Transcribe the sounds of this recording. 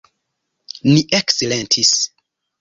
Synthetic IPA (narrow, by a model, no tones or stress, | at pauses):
niʔekselentʰis